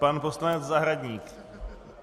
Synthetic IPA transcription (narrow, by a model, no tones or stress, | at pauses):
panposlanɛd͡zzaɦɾaɟɲiːk